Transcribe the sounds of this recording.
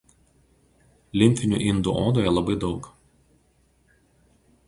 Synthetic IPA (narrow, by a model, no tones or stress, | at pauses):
lʲɪmʲˑp̪ʲɪnʲṵːʔɪnd̪ṵʔoːd̪oːjɛlˠɐbɐɪd̪ɒʊk